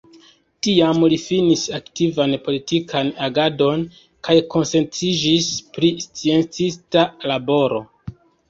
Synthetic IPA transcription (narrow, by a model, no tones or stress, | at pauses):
tiamlifinisaktivanpo̞litikʰanaɡado̞n | kajko̞nse̞nt͡sid͡ʒispɾist͡sie̞nt͡sistalabo̞ɾo̞̰